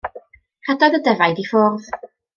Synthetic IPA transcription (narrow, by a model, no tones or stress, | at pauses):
hadɔðədɛvajdifɔːrð